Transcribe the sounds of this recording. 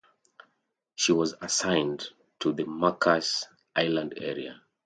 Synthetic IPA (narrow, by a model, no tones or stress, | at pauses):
ʃiwɔzəsãɪ̃n | tʰuðəmakʰas | ʔaɪlãndɛ̰ɹia̰